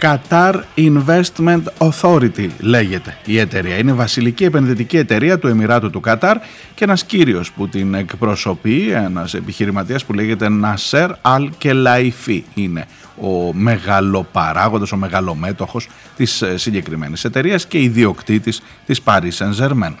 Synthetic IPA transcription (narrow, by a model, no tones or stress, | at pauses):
kɐt̪ɐɾinve̞st̪me̞nt̪o̞θo̞ɾit̪ile̞ʝe̞t̪e̞ie̞t̪e̞ɾiɐinevɐsilicie̞pe̞nðit̪iciet̪e̞ɾiɐt̪ue̞miɾɐt̪ut̪ukɐt̪ɐɾ | cee̞nɐsciɾio̞sput̪ine̞kpɾo̞so̞pienɐse̞piçiɾimɐt̪iɐspuleʝe̞t̪e̞nɐse̞ɾɐlce̞lɐifiine̞ | o̞me̞ɣɐlo̞pɐɾɐɣond̪ɐso̞me̞ɣɐlo̞me̞t̪o̞xo̞s | t̪issːiɲɟe̞kɾime̞̰nise̞t̪e̞ɾiɐsce̞iðio̞kt̪it̪is | t̪ispɐɾisɐnze̞ɾmen